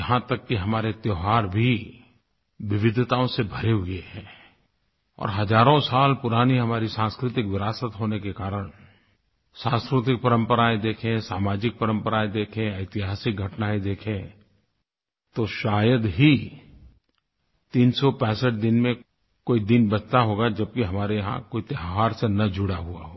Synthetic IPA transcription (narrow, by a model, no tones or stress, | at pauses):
ɐɦãt̪ɐkːiɦɐmaːɾet̪joːɦaːɾbʱi | ʋɪʋɪd̪ʱt̪aːõsebʱɐɾeɦʊɡəeɦɛ̃ː | ɔ̰ːɾɦɐd͡ʒaːɾõsaːlpʊɾaːniɦɐmaːɾisãːskɾɪt̪ɪkʋɪɾaːsət̪ɦoːnekekaːɾəɽ̃ | sãːskɾɪt̪̬ɪk̚pɐɾə̃mpəɾaːẽd̪eːkʰẽsaːmaːd͡ʒɪk̚pəɾə̃mpəɾaːẽd̪eːkʰẽɐɪt̪ɪɦaːsɪk̚ɡʱɐʈnaẽd̪eːkʰẽ | t̪oʃaːjəd̪ɦi | t̪iːnsɔpɛ̃ːsəʈ̚d̪ɪnmẽ | koːid̪ɪnbɐt͡ʃt̪aɦoːɡad͡ʒɐb̚kiɦɐmaːɾejɦã̰koːit̪eɦaːɾsenɐd͡ʒʱʊɽaɦua̰ɦoː